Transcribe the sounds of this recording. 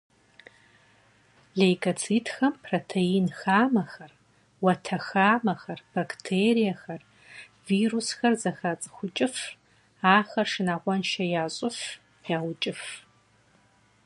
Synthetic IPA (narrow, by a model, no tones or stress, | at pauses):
ɮejɡɐt͡sʰiːtxɐmpʰroːtʰejiːnxaːmɐxɐr | wɐtʰɐxaːmɐxɐrb̥akʰtʰeːɾijɐxɐr | viːrusxɐrzɐxat͡sʼɨxʷʊt͡ʃʼɪf | aːxɐrʂɨnaːʁʷɔnʃɐjaːɕʼɪf | jaːwʊt͡ʃʼɪf